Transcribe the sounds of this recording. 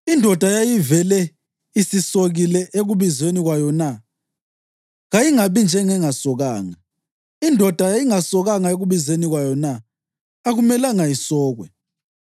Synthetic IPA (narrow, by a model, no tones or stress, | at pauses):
indʱɔd̥ʱajajivɛlɛ | isisoɣilɛʔeɣuβizweniɣwajɔna | ɣajiŋaβind͡ʒʱɛŋɛŋasɔɣaːŋa | indʱɔd̥ʱajajiŋasɔɣaŋaeɣuβizweniɣwajɔnaː | ɣumɛlaŋajisɔːɣwɛ̰